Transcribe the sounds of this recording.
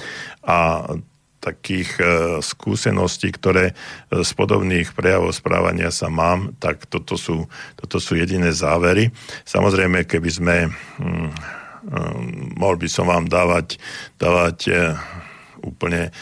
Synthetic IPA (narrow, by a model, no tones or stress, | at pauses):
a | t̪akiːxskṵːsɛnʔɔsciːkt̪ɔɾɛːspɔd̪ɔ̰bniːxpɾɛjaʋɔʊspɾa̰ːʋa̰ɲɪasamaːmt̪akt̪ɔt̪ɔsuːt̪ɔt̪ɔsuːjɛɟinɛːzaːʋɛɾisa̰mʔɔzɾɛjmɛkɛbizmɛ | mɔɦlbisɔmʋaːmd̪aːʋacd̪̥aːʋac | ṵːpl̩ɲɛ